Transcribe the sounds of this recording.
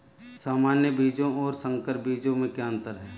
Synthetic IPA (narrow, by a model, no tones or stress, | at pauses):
saːmaːnjəbʱiːd͡ʒõɔːɾsə̃ŋkəɾbʱiːd͡ʒõmẽkjaːə̃nt̪əɾɦɛː